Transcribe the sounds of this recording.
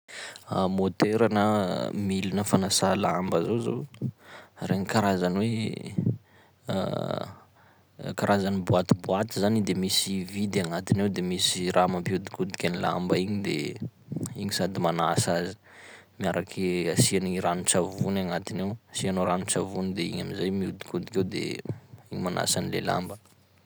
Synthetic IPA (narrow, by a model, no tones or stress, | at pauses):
a̰mot̪eɾanəmilinəfanasalambazozo̰ | reɲikaɾazanwe | kaɾʔazanibuat̪ibuat̪izanid̪emisivid̪aŋat̪inewd̪emisiɾʔamampiud̪i̥kud̪i̥kʲanila̰mbəiɲid̪ḛ | iɲisad̪imanasazi̥ | miaɾakʰeasianiɾanut͡ʃavunaŋat̪inewasianoɾanut͡ʃavunid̪eḭɲamizajmiud̪i̥kud̪ikʲewd̪ḛiɲimana̰sanilela̰mbə